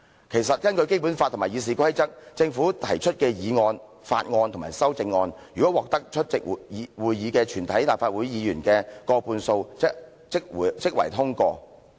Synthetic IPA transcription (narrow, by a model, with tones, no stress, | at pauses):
kʰe˨˩jsɐ˨t̚kɐ˥nkɵ˧ɥke˥jp̬uː˨˥nfaː˧t̪ʰːmaː˨˩jiː˨˧s̬iː˨˩kʰɐ˥jt͡sɐ˥k̚t͡sɪ˧ŋfu˨˥t̪ʰɐ˨˩jt͡ʃʰɵ˥t̚kɛː˧jiː˨˧ŋɔː˧n | fa̰ː˧t̚ŋɔː˧nt̪ʰmaː˨˩jsɐ˥wt͡sɪ˧ŋːɔː˧njyː˨˩kɔ˨˥wɔː˨k̚t̪ɐ˥k̚t͡ʃʰɵ˥t̚t͡sɪ˨k̚ːwuː˨jjiː˨˧kɛː˧t͡ʃʰyː˨˩nt̪ʰɐ˨˥jt̪aː˨˩faː˧t̚wuː˨˥jjiː˨˧jyː˨˩nkɛː˧kɔː˧puː˧nso˧w | t͡sɪ˥k̚ːt͡sɪ˥k̚wɐ̰˨˩jt̪ʰʊ˥ŋkɔː˧